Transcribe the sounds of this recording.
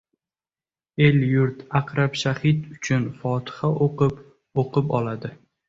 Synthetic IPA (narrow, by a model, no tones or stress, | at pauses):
e̞ljʊɾt̪aqɾapʃahɪt̪ʊt͡ʃʰʊnfɒt̪ʰɨ̥haʔoqɨp | oqʰɨpɒlad̪ɪ